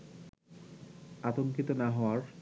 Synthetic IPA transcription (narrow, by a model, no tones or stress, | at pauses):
at̪oŋkit̪onaɦɔoaɾ